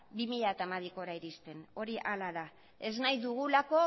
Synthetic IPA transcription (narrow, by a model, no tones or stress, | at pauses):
bimiʎat̪amaðiko̞ɾaiɾist̪e̞no̞ɾiʔalaða | e̞znajðuɣ̞ulako̞